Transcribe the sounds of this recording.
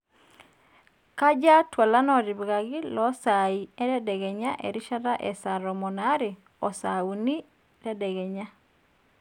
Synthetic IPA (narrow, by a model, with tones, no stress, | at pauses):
ka˦d͡ʒa˦twa˨la˦nɔ˨ɾi˨bɣa˨ɣi˦lɔsa˨i˨ɛ˦ɾɛ˦dɛ˨ɣɛ˨ɲa˦ʔḛ˨ɾi˦ʃa˦ɾa˦ʔɛ˨sa˨ɾɔ˨mɔ˨na˦ɾe˨ | ɔ˨sa˨u˨ni˦ | ɾɛ˦dɛ˨ɣɛ˨ɲa˦